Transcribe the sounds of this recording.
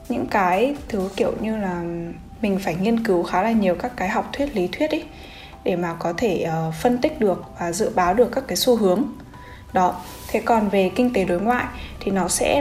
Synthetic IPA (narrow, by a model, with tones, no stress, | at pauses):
ɲɨ̰˧˥ŋkaː˨˦jt̪ʰɨ˨˦wkḭ˧˨əwɲɨ˧laː˨˩ | mï˨˩ŋ̟faː˧˩jŋi˧ənkɨ˨˦wxaː˨˦laː˨˩ɲi˨˩əwkaː˦˥kːaː˨˦jɦa˨˩wk͡p̚t̪ʰwi˦˥ət̚li˨˦t̪ʰwi˦˥ət̚ʔə˨˦ | ɗe˧˩maː˨˩kɔ˨˦t̪ʰe˧˩ʔəː˨˩fə˧nt̪ï˦˥k̟̚ɗɨ˨˩ək̚vaː˨˩zɨ̰˧˨ɓaː˨˦wɗɨ˨˩əkːaː˦˥kːaː˨˦jsu˧ɦɨ˨˦əŋ | ɗɔ˨˦ | t̪ʰe˨˦kɔ˨˩nve˨˩kï˧ŋ̟t̪e˨˦ɗo˨˦jŋwa̰ː˧˨jt̪ʰi˨˩nɔ˨˦sɛ̰˧˥